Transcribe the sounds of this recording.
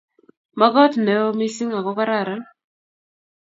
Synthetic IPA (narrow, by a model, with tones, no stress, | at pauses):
ma˦ɡɔ˦tne˨˦o˦mi˦si˦ŋa˨kɔ˦ka˦ɾa˦˨ɾa˦